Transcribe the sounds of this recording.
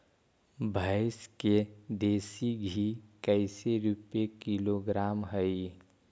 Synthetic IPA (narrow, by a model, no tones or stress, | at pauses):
bʱaɪsked̪eːsiɡʱikəɪseɾupekiloɡɾaːmɦəi